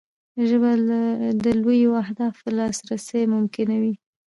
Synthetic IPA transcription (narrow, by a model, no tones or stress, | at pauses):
ʒəbald̪əlwojawahd̪ɑfəlɑsɾasəjmʊmkɪnawi